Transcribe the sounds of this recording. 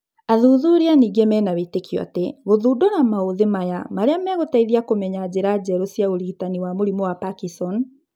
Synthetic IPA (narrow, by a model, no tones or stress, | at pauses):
aðuðuɾeaniːɡemɛnawetekjɔ̰a̰teɣoðuːdɔnamaoðemajamaɾeamɛɣotaiðiakomɛɲad͡ʑeɾad͡ʑɛɾosijaoɾitaniwamoɾimɔwapakisɔn